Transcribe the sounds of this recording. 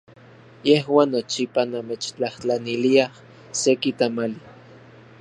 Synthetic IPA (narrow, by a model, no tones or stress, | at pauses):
jeɦwaːnːot͡ʃipanamet͡ʃt͡ɬaht͡ɬaniliah | sekit̪amali